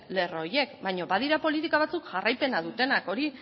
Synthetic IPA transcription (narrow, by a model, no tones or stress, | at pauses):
le̞ro̞ɾje̞kbajɲo̞βað̞iɾapo̞lit̪̬ikaβ̞at͡sukʝarajpe̞nað̞ut̪e̞nako̞ɾi